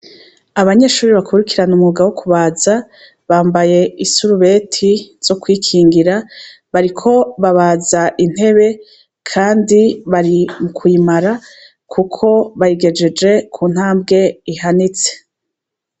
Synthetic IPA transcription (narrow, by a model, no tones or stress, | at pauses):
aβaɲe̞ʃuːɾiβakʰuɾikiɾanumuɡawokuβaːza | βaːmbaje̞isuɾuβe̞tʰiz̥o̞kwiːkʰiːŋɡiɾa | βaɾikʰo̞βaβaːzaʔin̥he̞βe̞ | kʰaːndiβaɾimukʰuimaɾa | kʰukʰo̞βaɾiɡe̞d͡ʒe̞d͡ʒe̞kʰuːn̥haːmbɡe̞iɦanit͡se̥